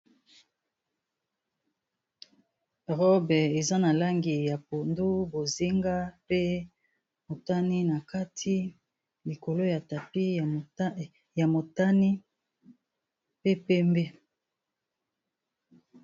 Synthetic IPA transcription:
ʁɔ˦bɛ˨e˨za˦na˨la˦ŋɡi˨ja˨po˨ndu˦bo˨zi˦ŋɡa˦pe˦ | mo˨ta˦ni˦na˨ka˦tʰi˦ | li˨ko˨lo˦ja˨ta˨pi˦˨˦ | ja˨mo˨ta˦ni˦ | pe˦pɛ˦mbe˦

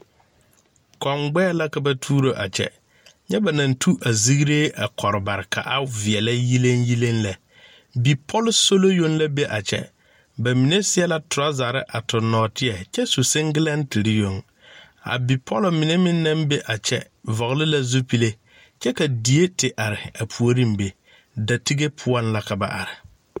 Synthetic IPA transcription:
kʰɔ˨ŋɡ͡bɛː˦la˦ka˦ba˦tʰuː˦ɾo˦ʔa̰˨t͡ʃʰɛ̰˦ | ɲɛ˦ba˨nã˨ntʰu˦ʔa˨zi˦ɡɾeː˦a˨kʰɔ˨ɾɪ˨ba˨ɾɪ˨kʰa̰˨ʔa˦vɪ˨ɛ˨la˦ji˦lẽ˦nji˦lẽ˦nla˨ | bi˨pʰɔ˦lso˦lo˦jo˦nla˦be˦ʔa˨t͡ʃʰɛ̰˦ | ba˨mi˨nẽ˦sɪ˦ɛ˦la˦tʰʊ˨ɾa˦za˨ɾɪ̰˦ʔa˨tʰʊ˨nːɔː˨tʰɪ˦ɛ˨t͡ʃɛ˦su˨sɪ˦ŋɡɪ˦la˦n˦ti˨ɾɪ˦jo˨ŋ | a̰˨bi˨pʰɔ˦lʊ˨mɪ˨ne˦mɪ̃˦nː˦ã˦mbe˦ʔa˨t͡ʃɛ̰˦ | vɔ˨ɣlɪ˦la˦zu˦pi˦le˦ | t͡ʃɛ˦ka˨di˨e˦tɪ˨ʔa˨ɾɪ˨a˨pʰu˨o˦ɾi˦mbe˨ | da˨ti˦ɡe˦pʰʊ˦ɔ˦nla˦ka˨ba̰˨ʔa̰˨ɾɪ˨

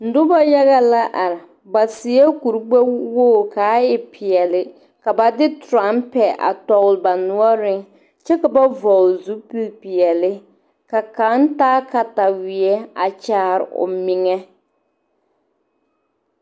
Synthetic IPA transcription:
n̩˨dʊ˦ba˦ja˦ɣa˦la˦ʔa˨ɾɪ˨ | ba˨sɪ˨ɛ˦ku˨ɾɡ͡bɛ˦wo˦˨kaː˨˦ɪ˦pʰɪ˨ɛ˨lɪ˨ | ka˨ba˨dɪ˦tɾa˨˦mpɛ˨ʔa̰˨tɔ˨ɣlba˨nʊ˦ɔ˦ɾɪ˦ŋ | t͡ʃɛ˦ka˨ba˦vɔ˨lzu˦pi˦lpɪ˨ɛ˨lɪ˦ | ka˨ka˨˦n˦taː˦ka˨ta˨wɪ˨ɛ˦a˨t͡ʃaː˦ɾɪ̰˨ʔʊ̰˨mɪ˨ŋɛ˦

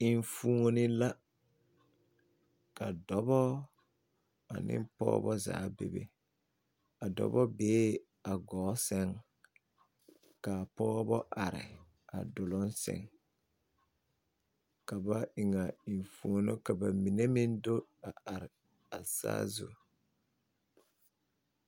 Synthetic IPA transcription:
ɪ˨ɱfuː˨ŋo˦nɪ˦la˦ | ka˨dɔ˨˦bɔ˦ | a˨nɪ̰˦mpɔ̰ː˦bɔ˦za̰ː˨˦bḛ˨bḛ˦ | a˨dɔ̰˨bɔ˦beː˦ | a˨ɡɔː˨˦sɛ˦ŋ | ka˨pɔː˦bɔ˦ʔa˨ɾɪ̰˨ | a̰˨dʊ˨lʊ˦nsɛ̰˨ŋ | ka˨ba˦ʔɪ˨ŋa˨i˨n˨fu˨o˨no˦ka˨ba˨mi˨ne˦mɪ˦ndo˦a˨ʔa˨ɾɪ˨ | a˨sa̰ː˦zṵ˨

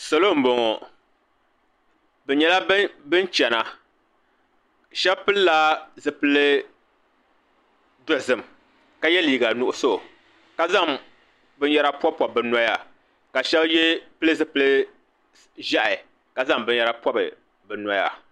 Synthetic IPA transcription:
sɔ˨lo˦˨m̩˦bo˨ŋɔ˨ | bɛ˨ɲɛ˨la˦bɨ˦nt͡ʃɛ˨na˨ | ʃɛ˦bpɨ˦lla˦zɨ˨pɨ˨˦lɨ˦ | dɔ˨zɨ˨m˨ | ka˦jɛ˦liː˨ɡa˨nʊ˨ʔʊ˦so˦˨ | ka˦za˦˨ŋ | bɨ˦n˦jɛ˦ɾa˦pɔ˦pːɔ˨b̚bɨ˨na˦ja˦ | ka˨ʃɛ˦bjɛ˦pɨ˦lɨ˦zɨ˦pɨ˨lɨ˦ | ʒa˦ʔɪ˨ | ka˨za˦˨ŋbɨ˦n˦jɛ˦ɾa˦pɔ˦bɨ˨ | bɛ˨na˦ja˦

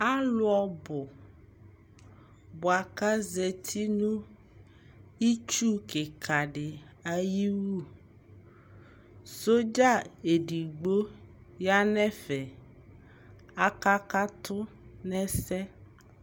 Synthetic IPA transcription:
a˦lʊ˦ɔ˨bʊ˨ | bʊ˨a˨ka˦zɛ˨t̪ʰi˦nũ˦ | i˦t͡ʃu˦kɪ˨kʰa˨ɖɪ˨ | a˨ji˦wu˦ | so˦d͡ʒa˦e˨ɖi˨ɡ͡bo˦ | ja˦nɛ̃˦fɛ˨ | a˨ka˦ka˦t̪ʰʊ˦ | nɛ̃˦sɛ˦

